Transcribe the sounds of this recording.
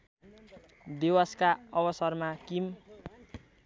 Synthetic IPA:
d̪ewaskaʌbʌsʌrmakim

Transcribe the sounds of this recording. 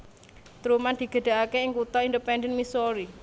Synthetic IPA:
t̪ɾumand̪̥i̤ɡ̥ə̤ɖ̥̪a̤ʔakeɪŋkut̪ɔindəpɛndɛnmisoɾi

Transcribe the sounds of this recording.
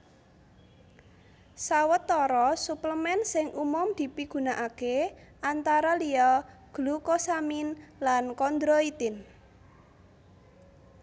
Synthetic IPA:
sawət̪ːɔɾɔsupləmɛnsɪŋʔumʊmd̪̥i̤piɡ̥ṳnaʔakeʔant̪aɾaliɔɡ̥lukɔsaminlankɔnd̪ɾoit̪ɪn

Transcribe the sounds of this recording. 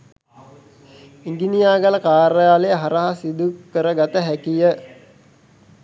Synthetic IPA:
iŋɡinijaːɡaləkaːɾəjaːleəɦaɾəɦasid̪ukəɾəɡat̪əɦækijə

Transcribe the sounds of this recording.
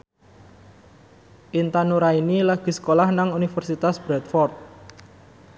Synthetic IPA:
ʔint̪anuɾainilaɡ̥i̤sə̥kolahnaŋunifərsit̪asb̥ɾɛt̪fɔrt̪̚

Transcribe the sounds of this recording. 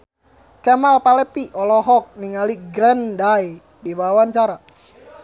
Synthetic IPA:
kɛmalpalɛpiʔɔlɔɦɔk̚niŋaliɡɾɛndaj | dibawaɲt͡ʃaɾa

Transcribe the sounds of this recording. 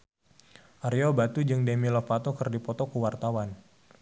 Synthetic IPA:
ʔaɾiɔbat̪ud͡ʒɨŋdemilɔfat̪ɔkɨrdipɔt̪ɔkuwart̪awan

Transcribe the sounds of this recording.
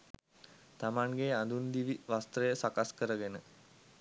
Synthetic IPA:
t̪amaŋɡeːand̪und̪iʋiʋast̪ɾəjəsakaskəɾəɡenə

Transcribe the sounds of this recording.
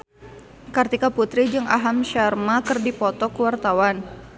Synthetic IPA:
kɨrt̪ikaput̪ɾid͡ʒɨŋa̰ɦamʃarmakɨrdipɔt̪ɔkəwart̪awan

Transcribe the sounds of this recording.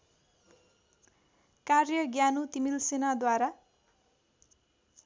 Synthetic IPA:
karjʌɡjanut̪imilsenad̪waɾa

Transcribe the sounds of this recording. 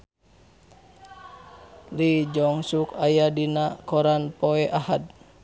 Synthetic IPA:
lid͡ʒɔŋsukajadinakɔɾanpɔɛʔahad̪̚

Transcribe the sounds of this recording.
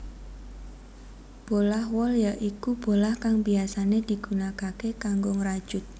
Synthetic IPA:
b̥olahwɔljaʔikub̥o̤lahkaŋbiasaned̪̥i̤ɡ̥unakakekaŋɡoŋɾad̥ʒ̥ʊt̪̚

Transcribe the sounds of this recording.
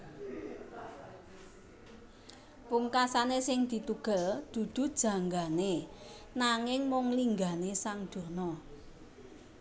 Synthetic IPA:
puŋkasanesɪŋd̪̥i̤t̪uɡ̥ə̤ld̪̥ṳd̪̥ṳd̥ʒ̥ä̤ŋɡane | naŋɪŋmɔŋliŋɡanesaŋd̪̥o̤nɔ

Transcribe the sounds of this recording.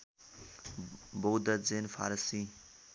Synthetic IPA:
bod̪ɐd͡zenfʰa̰ɾsi

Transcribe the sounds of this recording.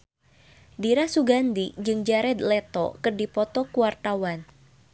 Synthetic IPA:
diɾasuɡandid͡ʒɨŋd͡ʒaɾɛd̪lɛt̪ɔ̰kɨrdipɔt̪ɔkuwart̪awan

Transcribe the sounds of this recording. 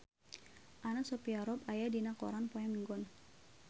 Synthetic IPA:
ʔanasɔpiaɾɔpajadinakɔ̰ɾanpɔjamiŋɡɔn

